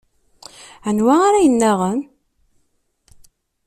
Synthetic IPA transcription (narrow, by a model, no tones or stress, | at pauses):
ənwæaɾæjənːæʁəm